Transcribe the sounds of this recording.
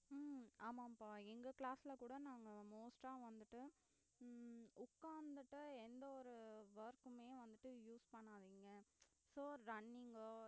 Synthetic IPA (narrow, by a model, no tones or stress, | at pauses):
aːmaːpaːɛŋɡɐkɭaːsɪlɐkuːɽɐnaːŋɡɐmoːsʈaːʋɐnd̪ɯʈːɯ | ʊkːaːnd̪ɯʈːɯɛnd̪ɐɔɾɯʋɐɾkɯmeːʋɐnd̪ɯʈːɯjuːspɐɳːaːðiːŋɡɐ | soːɾɐɳːɪŋɡoː